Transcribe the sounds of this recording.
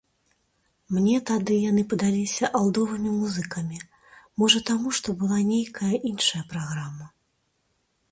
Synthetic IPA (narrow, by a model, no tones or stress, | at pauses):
mnʲɛt̪ad̪ɨjan̪ɨpɐd̪alʲisʲɐʔalˠd̪ɔvɨmʲimuzɨkɐmʲi | mɔʐɐt̪amuʂt̪ɔbɨlˠanʲejkɐjɐʔinʂɐjɐpɾaɣɾamɐ